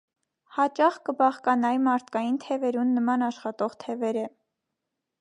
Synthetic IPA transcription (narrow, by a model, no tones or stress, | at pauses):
hɑt͡ʃɑχkəbɑχkɑnɑjimɑɾt̪ʰkɑjint̪ʰɛvɛɾunːəmɑnɑʃχɑt̪ɔʁt̪ʰɛvɛɾə